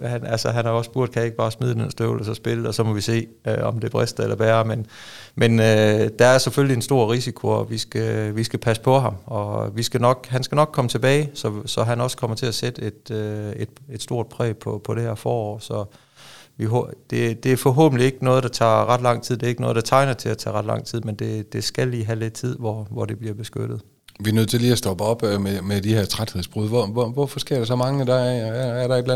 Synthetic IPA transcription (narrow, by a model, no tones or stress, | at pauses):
hænælsəɦænhɑ̈ɒ̽sb̥uɐ̰d̥̚kʰæje̝ɡ̥əb̥ɑ̈ːsmið̞ˠnensd̥ø̰ʊlɒsɒ̽sb̥e̝ləɒsɒ̽mɒ̽ʋise̝̰ːɒ̽md̥e̝æb̥ʁɛsd̥̩elɐb̥eːɐmen | menød̥ɑ̈æɐseføllie̝nsd̥o̝ɐ̰ʁisikʰoɒʋisɡ̥æʋisɡ̥æpʰæsə̥pʰɒ̽ɦɑ̈mɒ̽ʋisɡ̥ænɒ̽ɡ̥ɦænsɡ̥ænɒ̽ɡ̥̚kʰɒ̽mət͡sʰe̝b̥ɛːɪsɒ̽sɒ̽ɦænɒ̽skʰɒ̽m̰ɐt͡sʰe̝æsed̥əe̝d̥øe̝d̥e̝d̥sd̥o̝ɐ̰d̥̚pʰʁɛ̰ːpʰɒ̽pʰɒ̽ɾ̥e̝heɐfɒːɒ̰ːsɒ̽ | ʋiɦod̥e̝d̥e̝æɐfɒ̽ɦo̰ːb̥n̩lie̝ɡ̥ənɔ̽ːð̩ˠd̥ɑ̈t͡sʰɑ̰̈ːʁɑ̈d̥lɑ̈ŋ̰t͡sʰið̰ˠd̥e̝e̝ɡ̥nɔ̽ːðˠd̥ɑ̈t͡sʰɑ̈ɪnɐt͡sʰe̝læt͡sʰɛ̰ːʁɑ̈d̥lɑ̈ŋ̰t͡sʰið̰ˠmend̥e̝d̥e̝sɡ̥æliːɦæle̝d̥̚t͡sʰið̞̰ˠʋɒʋɒd̥eb̥liɐb̥e̝sɡ̥ød̥ð̩ˠ | ʋiɐnøð̞̰ˠt͡sʰeliːæsd̥ɒ̽b̥əɒ̽b̥memed̥iheɐt͡sʰʁad̥he̝ðˠsb̥ʁuð̰ˠʋɒʋɒʋɒfɒsɡ̥e̝ɐ̰ɾ̥ɑsɒ̽mɑ̈ŋəd̥ɑæɐɾ̥ɑ̈e̝d̥læ